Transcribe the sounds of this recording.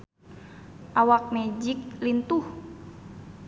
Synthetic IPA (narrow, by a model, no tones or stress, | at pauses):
ʔawak̚mɛd͡ʒik̚lint̪uh